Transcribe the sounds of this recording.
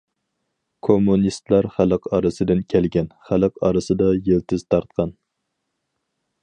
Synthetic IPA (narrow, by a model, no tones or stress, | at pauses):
kʰomːunist̪lˠæɾχælˠəqɑɾɨsɨd̪ɪnkʲʰɛlɡʲɛnχælˠɨqɑ̰ɾɨsɨd̪ɑjelt̪ʰɪz̥t̪ʰɑɾt̪̚qʰɑn